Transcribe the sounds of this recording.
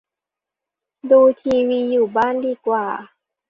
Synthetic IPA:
duː˧t̪ʰiː˧wiː˧juː˨˩baː˥˩˨ndiː˧kwaː˨˩

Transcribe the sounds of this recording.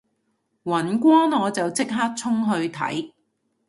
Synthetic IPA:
wɐ˨˩nkʷɔː˥nɔː˨˧t͡sɐ˨wt͡sɪ˥k̚ɦaː˥k̚t͡sʰʊ˥ŋɦɵ˧ɥt̪ʰɐ̰˨˥j

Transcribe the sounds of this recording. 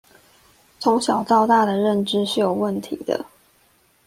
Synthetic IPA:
t͡sʰʊ˧˦˥ŋɕjɑ˨˩ʊt̪ɑ˥˧ʊt̪a˥˩d̪ə˩ɻə˥˨nʈ͡ʂɻ̩˥ʂɻ̩˥˩jo˨˩ʊwə˥˨˩nt̪ʰḭ˨˩˦d̪ə̰˩

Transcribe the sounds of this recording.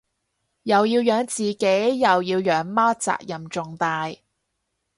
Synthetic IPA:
jɐ˨wjiː˧wjœː˨˧ŋt͡siː˨ke˨˥jjɐ˨wjiː˧wjœː˨˥ŋmaː˥t͡sa̰ː˧k̚jɐ˨˩mt͡ʃʊ˨ŋt̪aː˧j

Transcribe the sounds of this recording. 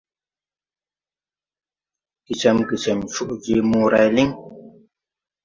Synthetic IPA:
ki˨t͡ʃɛ˨mki˨t͡ʃɛ˨mt͡ʃu˦ʔɡi˨˦mu˦ɾa˨jli˦ŋ

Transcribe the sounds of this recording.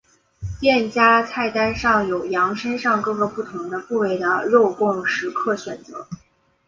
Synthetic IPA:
t̪jɛ˥˩nt͡ɕja˥t͡sʰa˥˩ɪt̪a˥nʂɑ˥˩ŋjo˨˩ʊjɑ˧˥ŋʂə˥nʂɑ˥˧ŋkɤ˥˩ɡə˩pu˥˩t̪ʰʊ˧˥ŋd̪ə˧fu˥˧we˥˩ɪd̪ə˧ɻo˥˧ʊkʊ˥˩ŋʂɻ̩˧˥kʰɤ˥˩ɕɥɛ˨˩nt͡sɤ̰˧˥

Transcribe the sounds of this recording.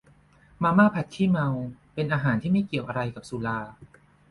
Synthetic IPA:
maː˧maː˥˩pʰa˨˩t̪̚kʰiː˥˩ma˧wpe˧nʔaː˧ɦaː˩˦nt̪ʰiː˥˩ma˥˩jki˨˩əwʔa˧ɾa˧jka˨˩p̚su˨˩˦laː˧

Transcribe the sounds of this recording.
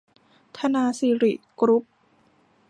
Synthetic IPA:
t̪ʰa˧naː˧siː˧ɾi˨˩ʔkɾu˦˥p̚

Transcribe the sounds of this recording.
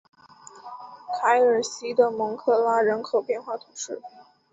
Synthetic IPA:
k̪ʰa˧˥ɪə˞˨˩ɕi˧˥d̪ə˨mɤ˧˥ŋkʰɤ˥˩la˥ɻə˧˥nkʰo˨˩ʊpjɛ˥˧nxwa˥˩t̪ʰʊ˨˩˦ʂɻ̩˥˩

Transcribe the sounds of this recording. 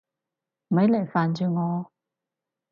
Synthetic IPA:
m̩˨˩ɐ˨˥jle˨˩jfaː˨nt͡ʃyː˨˧ŋɔː˨˧

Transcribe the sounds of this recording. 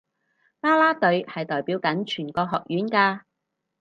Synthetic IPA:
paː˥laː˥t̪ɵ˨˧ɥhɐ˨jt̪ɔː˨jpiː˨˥wkɐ˨˥nt͡ʃʰyː˨˩nkɔː˧ɦɔː˨k̚jyː˨˥nkaː˧

